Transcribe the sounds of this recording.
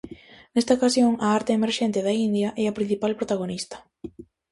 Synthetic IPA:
nest̪aokasjoŋɐaɾt̪eemeɾʃɛnt̪ɪðɐind̪jɐʔɛɐpɾin̟θipalpɾot̪aɣonist̪ɐ̥

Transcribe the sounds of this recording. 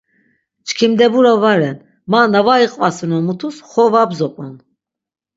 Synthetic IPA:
t͡ʃkʰimd̪ɛbuɾavaɾɛn | manavaiqʼvasinɔmut̪ʰusχɔvabzɔpʼɔn

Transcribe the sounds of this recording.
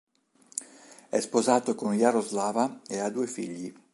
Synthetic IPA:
ɛ̰spozaːt̪okonjaɾozlaːvaead̪ːuefiʎːi

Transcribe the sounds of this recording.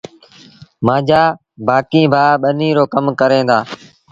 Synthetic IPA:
mãːd͡ʒaː | baːkĩːbʱaːɓənĩːɾoːkəmkəɾẽːd̪aː

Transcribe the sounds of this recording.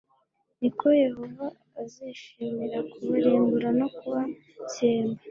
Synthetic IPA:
niko̞je̞hovaː | ziʃiːmiɾakuβuɾiːŋɡuɾano̞kuβa | ceːmba

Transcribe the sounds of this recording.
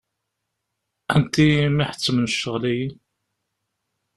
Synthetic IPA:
ænt̪imiħə̥t͡sːəmənʃːəʁlæjin

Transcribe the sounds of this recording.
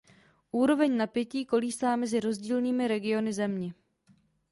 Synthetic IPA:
ʔuːɾo̞vɛɲnapjɛciːko̞liːst̪aːmɛzɪɾo̞zɟiːlniːmɪɾɛɡɪo̞nɪzɛmɲɛ

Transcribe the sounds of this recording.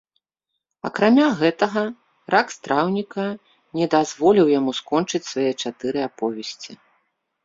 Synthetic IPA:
ɐ̰kɾamʲaɣɛt̪ɐɣɐ | ɾakst̪ɾawnʲikɐ | nʲɛd̪azvɔlʲiwjamuskɔnt͡ʂɨt͡sʲsvajɛt͡ʂat̪ɨɾɨapɔvʲɛsʲt͡sʲi

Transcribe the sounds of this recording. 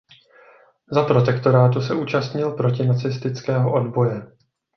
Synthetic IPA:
zapɾo̞t̪ɛkt̪o̞ɾaːt̪̬usɛʔuːt͡ʃast̪ɲɪlpɾo̞cɪnat͡sɪst̪ɪt͡skɛːɦoʔo̞dbo̞jɛ

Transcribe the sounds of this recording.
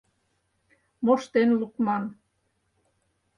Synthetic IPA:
moʃt̪enlukmɑn

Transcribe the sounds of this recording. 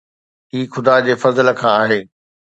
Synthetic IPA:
iːxʊd̪aːd͡ʑeːfɐzələ̆kʰãaːɦeː

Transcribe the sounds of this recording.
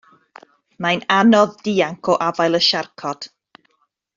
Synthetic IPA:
majnanɔðdiːaŋkʰɔʔavajlˠəʃarkʰɔd̥

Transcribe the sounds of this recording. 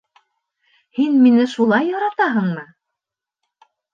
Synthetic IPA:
hinminɘʃulˠɑjːɑɾɑt̪ɑɦɤ̆ɴmɤ

